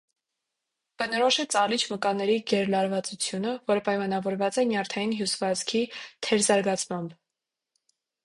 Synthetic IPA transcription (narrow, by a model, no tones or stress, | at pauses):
b̥ənɔɾɔʃɛt͡sɑlit͡ʃʰməkɑnɛɾiɡɛɾlɑɾvɑt͡sut͡sʰjunəvɔɾəpɑjmɑnɑvɔɾvɑt͡sɛnjɑɾt̪ʰɑjinɦjusvɑt͡sʰkʰit̪ʰɛɾzɑɾɡɑt͡sʰmɑmb